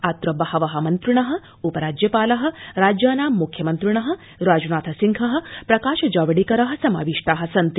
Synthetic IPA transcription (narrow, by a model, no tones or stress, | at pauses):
at̪ɾɐbɐhɐʋɐɦɐmɐnt̪ɾuɳɐɦɐ̆ | upɐɾaːd͡ʒjɐpaːlɐɦɐ̆ɾaːd͡ʒjaːnaːmːukʰjɐmɐnt̪ɾuɳɐɦɐ̆ | ɾaːd͡ʒunaːt̪ʰɐsiŋkʰɐɦɐ̆pɾɐkaːʃɐd͡ʒaːʋɐɽikɐɾɐɦɐ̆sɐma̰ːʋiʂʈaːɦɐ̆sɐnt̪i